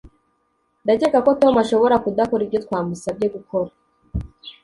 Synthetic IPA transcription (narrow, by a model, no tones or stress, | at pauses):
ndaɟeɡako̞to̞maʃo̞βo̞ɾakudakoɾibɟotkwaːmusab̚ɟe̞ɡukʰo̞ɾa